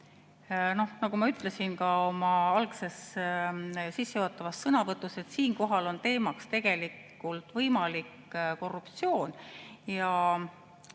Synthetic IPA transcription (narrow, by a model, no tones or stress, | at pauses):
no̞hnɑɡumɑyt̪ːˑlesinkɑo̞mɑɑlkse̞s | sisːejot̪ˑːɑvɑsːɤnɑvɤt̪ːˑuse̞t̪siːnko̞ɦɑlo̞nt̪e̞ːmɑkst̪e̞ɡ̥e̞likːˑ | ult̪vɤjmɑlikː | ko̞rːupt̪sio̞ːnjɑ